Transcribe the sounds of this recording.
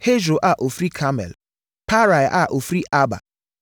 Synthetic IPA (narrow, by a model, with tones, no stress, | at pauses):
he˦d͡ʒo˨ʔa˦˨ʔo˨fɾi˦kʰa˦mɛ̰˨l | pa˦ɾa˨jʔa̰˦ʔo˨fɾi˦ʔa˦ba̰˨